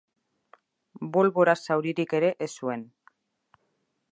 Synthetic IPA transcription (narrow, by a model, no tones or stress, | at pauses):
bolβoɾasawɾiɾike̞ɾe̞ʔesue̞n